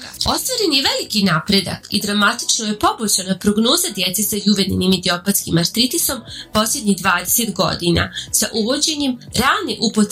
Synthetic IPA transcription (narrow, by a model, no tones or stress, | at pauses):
o̞st̪ʋaɾe̞njeʋelikinaːpɾe̞d̪a̰kḭd̪ɾamat̪i̥t͡ʃnoje̞po̞bot͡ɕanapɾo̞ɡno̞ːzad̪jet̪sesajuʋeninimid̪io̞pat̪skimaɾt̪ɾit̪iso̞mpo̞slʲe̞d̪ɲiɣd̪ʋaːd̪eset̪ɡo̞̰d̪ina̰sa̰ʔuʋo̞d͡ʑe̞ɲemɾaːlneʔupot̪